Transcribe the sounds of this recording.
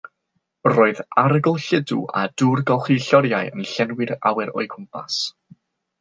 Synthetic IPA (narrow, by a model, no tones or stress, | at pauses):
roːɨðaɾɡʊlˠɬɪdṵʔa̰durɡɔχiɬɔɾjaɨənɬɛnwɪɾa̰wɛɾɔ̰ɨkʰʊmpʰa̰s